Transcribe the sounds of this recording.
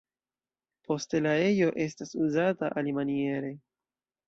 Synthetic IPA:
po̞ste̞lae̞jo̞ʔe̞stasuzataʔalimanie̞ɾe̞

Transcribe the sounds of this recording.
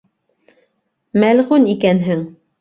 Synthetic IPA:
mælʁunikænɦɘŋ

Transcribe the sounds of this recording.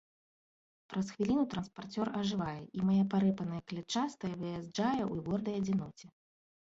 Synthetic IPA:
pɾɐsxvʲilʲinut̪ɾɐnspart͡sʲɔrɐʐɨvajɛimajapaɾɛpɐnɐjɐklʲɛt͡ʂast̪ɐjɐvɨjazd͡ʐajɛʔuɣɔrd̪ɐjɐd͡zʲɛnɔt͡sʲɛ

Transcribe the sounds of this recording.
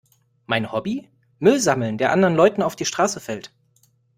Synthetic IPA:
maɪnhɔbi | mʏlzaml̩ndeːɐʔandəʁənlɔʏtn̩aʊfd̥iːʃtʁ̥aːsəfɛlt

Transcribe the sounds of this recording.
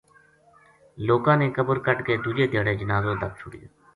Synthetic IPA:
loːkãːneːkəbəɾkəʈkeːd̪ud͡ʒeːd̪ʱeːɽeːd͡ʒənaːzõːd̪ək̚t͡ʃʰʊɽij̰

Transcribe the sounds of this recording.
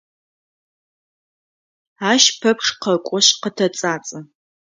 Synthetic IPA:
aːʃpʰɐpʂqɐkʷʼɔɕqətʰɐt͡sʼaːt͡sʼɐ

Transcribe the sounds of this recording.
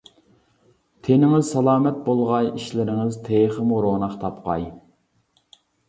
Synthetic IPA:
t̪ʰenɪŋɪzsɑlˠɑːmɛt̪̚bolˠʁɑjiʃlɪɾɪŋɪzt̪ʰeːχəmuɾonɑχt̪ʰɑpqɑ̰j

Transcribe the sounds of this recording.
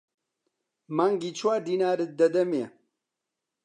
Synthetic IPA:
maːŋɡiːt͡ʃʰwaːd̪iːnaːɾɨt̪̚d̪ɐd̪ɐme

